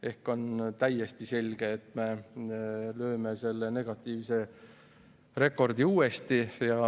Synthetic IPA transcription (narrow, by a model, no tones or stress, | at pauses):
e̞hko̞nt̪æjest̪ise̞lʲɡ̥eːt̪me̞ | lø̞ːmese̞lːe̞ne̞ɡ̥ɑt̪ːˑiːvse̞ | re̞kːˑo̞rd̪̥iuːest̪ijɑ